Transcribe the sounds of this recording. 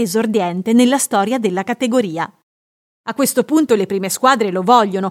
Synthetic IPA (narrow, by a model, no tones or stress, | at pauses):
ezord̪jɛnt̪enelːast̪ɔːɾjad̪elːakat̪eɡoɾiːa | akːwest̪opunt̪olepɾiːmeskwaːd̪ɾelovɔʎːono